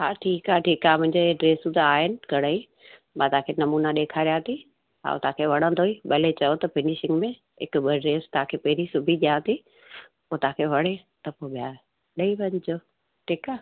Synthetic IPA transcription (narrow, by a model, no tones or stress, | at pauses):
ɦaːʈʰiːkaːʈʰiːkaːmʊ̃ɦɪ̃ɲd͡ʑeeɖɾeːsũt̪aːɦɪnɪ̆ɡʱɐɽ̤əĩ | mã̰t̪aːkʰeːnɐmuːnaɗeːkʰaːɾijat̪ʰi | ɦa̰ːo̰t̪ãːkʰeʋɐɽ̤̃ə̃nd̪oːiɓɐlet͡ɕɐjot̪ɐfɪnɪʃɪ̃ŋɡmẽ | ɪ̰kɓəɖɾeːst̪aãkʰeːpɐɦɪɾisʊbʱiʄijaːt̪ʰi | poːt̪ãːkʰeːʋɐɽ̤e | t̪ɐpoːɓɪjaː | ɗɐiʋɐɲɪd͡ʑoː | ʈʰiːkaː